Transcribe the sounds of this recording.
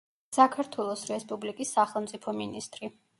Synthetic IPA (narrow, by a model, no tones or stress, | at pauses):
sakʰaɾt̪ʰwɛlˠɔsɾɛspʼublikʼisːaχɛlˠmt̪sʼipʰɔminist̪ʼɾi